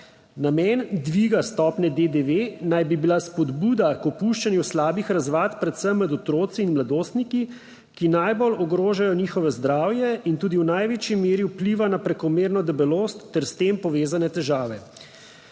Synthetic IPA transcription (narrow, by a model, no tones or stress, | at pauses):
namɛːnd̪ʋiːɡast̪ɔːpnɛd̪ed̪eʋenajbibilaspɔd̪buːd̪akɔpuʃt͡ʃanjuslaːbixɾazʋaːt̪pɾɛt̪səmːɛd̪ɔt̪ɾoːt̪siːnmlad̪oːst̪niki | kinajbolɔɡɾoːʒajɔniːxɔʋɛzd̪ɾaːwjɛint̪uːd̪iwnajʋeːt͡ʃimeːɾiwpliːʋanapɾɛkɔmeːɾnɔd̪ɛbɛloːst̪ːɛɾst̪empɔʋeːzanɛt̪ɛʒaːʋɛ